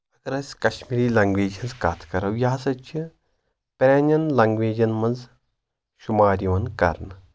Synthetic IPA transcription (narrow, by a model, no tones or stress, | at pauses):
ɐɡɐɾɐsʲkɐʃmiɾiːlɐŋɡʋeːd͡ʒɐnzkat̪ʰkɐɾɐwjaːsɐt͡ʃʰi | pɾʲaːnɐnlɐŋɡʋeːd͡ʒɐnmɐnz | ʃumaːɾiʋɐnkɐ̰ɾn